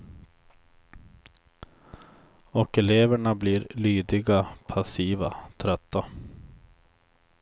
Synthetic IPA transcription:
ɔkɛleːvəɳabliːɾlyːd̪ɪɡapʰasiːvat̪ʰɾœt̪ːa

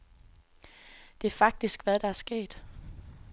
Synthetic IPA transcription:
d̥e̝æɐfɑ̈ɡ̥̚d̥isɡ̥ʋæðˠɾ̥ɑ̈æɐsɡ̥e̝̰ːd̥

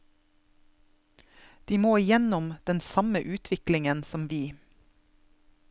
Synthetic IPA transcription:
d̪̥iːmoːɪjɛnʊmd̪̥ɛnsɑməʔʉːt̪ʰʋɪklɪŋənsɔmʋiː

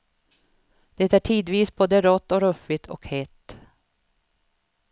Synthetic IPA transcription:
d̪̥ɛt̪æʈʰiːd̪viːsboːd̪əæɾɔt̪ːɔɾɵfɪt̪ʰɔ̰khɛt̪ː

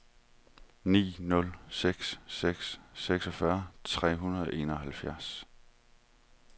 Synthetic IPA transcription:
nḭːnɔ̽lseɡ̥sːeɡ̥sːeɡ̥sɒ̽fɶɐt͡sʰʁɛ̰ːɦunɐðˠʔe̝̰ːnɒ̽ɦælfjæɐs

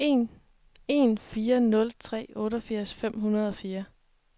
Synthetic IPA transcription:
en | e̝nfiːɐnɔ̽lt͡sʰʁɛ̰ːɔ̽ːɾɒfiɐ̰sfem̰ɦunɐð̞ˠɒ̽fiːɐ

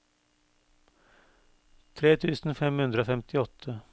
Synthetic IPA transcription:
t̪ʰɾeːt̪ʰʉ̟ːsənfɛmhɵnd̪ɾafɛmt̪ʰɪɔt̪ʰːa

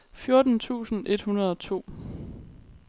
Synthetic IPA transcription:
fjoɐd̥n̩t͡sʰṵːsn̩ʔe̝d̥hunɐð̞ˠɒ̽t͡sʰo̝̰ː

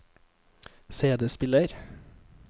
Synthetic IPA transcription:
seːd̪əspɪləɾ

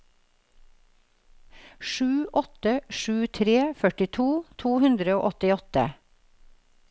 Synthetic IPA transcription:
ʃʉːʔɔt̪əʃʉːt̪ʰɾeːfœʈɪt̪ʰuːt̪ʰuːhʉnd̪ɾəoːʔɔt̪ɪɔt̪ə̰

